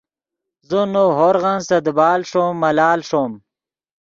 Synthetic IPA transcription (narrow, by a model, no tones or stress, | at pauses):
zunoɦoɾɣansɐd̪bɑːlʂomːɐlaːlʂom